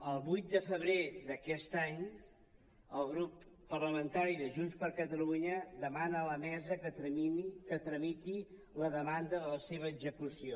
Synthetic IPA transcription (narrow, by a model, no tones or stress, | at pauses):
əlˠβujt̪̚d̪əfəβɾed̪əkɛst̪aɲ | əlˠɣɾupː | ərləmənt̪aɾiðəʒunspəɾkət̪əluɲəd̪əmanələmɛzəkət̪əikət̪ɾəmit̪i | ləðəmand̪əðələseβ̞əːɡzəkusio